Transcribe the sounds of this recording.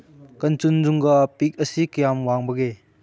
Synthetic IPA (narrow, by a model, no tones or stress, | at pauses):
kɐnt͡sunzuŋɡɐpik̚ɐsikɐjamwaŋbɐɡe